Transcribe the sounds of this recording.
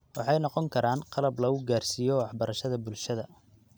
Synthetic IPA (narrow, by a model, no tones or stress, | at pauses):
wɑħɑjnɔqɔŋkʰɐɾaːnqɑlɐblɐɣʊɡaːrsiːjɔwɑħbɐɾɐʃɐðɐbʊlʃɐðɐ